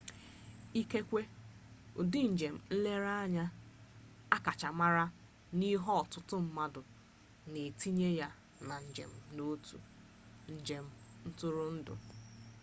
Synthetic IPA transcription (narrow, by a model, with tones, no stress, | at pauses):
i˦ke˦kʷe˦ | ʊ˨dɪ˦n̩˨d͡ʒe˨m̩˨n̩˦le˦ɾa˦a˦ɲa˦ | a˦ka˨t͡ʃa˨ma˦ɾa˦ | ni˦ɦɔ˦ɔ˨tʊ˦tʊ˦m̩˦ma˦dʊ˨ | ne˨ti˦ɲe˦ja˦ | na˨n̩˨d͡ʒḛ˨m̩˦no˦tṵ˨ | n̩˦d͡ʒe˨m̩˦n̩˦tʊ˦ɾʊ˦n̩˦dʊ̰˨